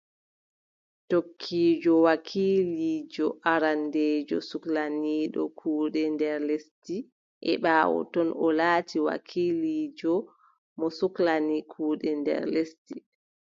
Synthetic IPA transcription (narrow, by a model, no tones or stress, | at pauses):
tokʰːiːd͡ʒɔwakʰiliːd͡ʒɔʔaɾandeːd͡ʒɔ̰suklaniːɗɔ̰kʰuːɗɛndɛɾlesti | ʔɛ̰ɓaːwɔ̰tɔnɔlaːtʰiwa̰kʰiliːd͡ʒɔ | mɔsuklanikʰuːɗɛndɛ̰ɾlesti